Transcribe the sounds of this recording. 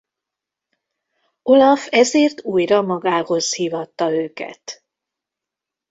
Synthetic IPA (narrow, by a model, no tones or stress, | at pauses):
o̞lɒfɛzeːrt̪uːjrɒmɒɡaːho̞zhiːvɒt̪ːɒøːkɛ̰t̪